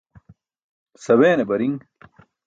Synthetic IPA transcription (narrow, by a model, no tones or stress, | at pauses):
sɐweːnebɐɾiŋ